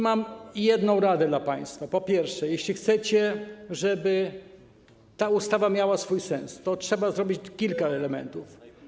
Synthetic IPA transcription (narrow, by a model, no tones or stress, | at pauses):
mamjɛd̪nɔ̃w̃ɾad̪ɛd̪lapaj̃st̪fapɔpʲjɛɾfʂɛjɛɕlʲixt̪sɛt͡ɕɛʐɛbɘ | t̪aust̪avamʲjawasfujsɛ̃nst̪ɔtʂɛbazɾɔbʲit͡ɕkʲilkaɛlɛmɛ̰nt̪uf